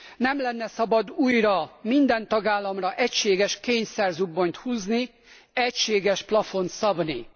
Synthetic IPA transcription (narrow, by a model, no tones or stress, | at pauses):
nɛmlɛnːɛsɒbɒd̪uːjrɒmind̪ɛnt̪ɒɡaːlːɒmrɒʔɛcʃeːɡɛʃkeːɲsɛrzubːont̪huːzni | ɛcʃeːɡɛʃplɒfo̞nt̪sɒbni